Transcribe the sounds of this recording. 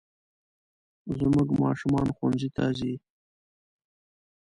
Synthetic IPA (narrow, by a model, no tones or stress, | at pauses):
zmʊɡmɑ̰ʃʊmɑnxanzit̪ʰɑ̰zi